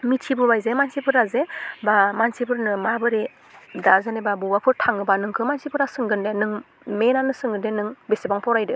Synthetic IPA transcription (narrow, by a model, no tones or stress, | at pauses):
mitʰibɯbajzemansipʰɯɾazebamansipʰɯɾnɯmabɯɾe | dazanebabɯwapʰɯɾtʰaŋɯbanɯŋkʰɯmansipʰɯɾasɯŋɡɯndenɯŋ | menanɯsɯŋɡɯndenɯŋbesebaŋpʰɔɾajdɯ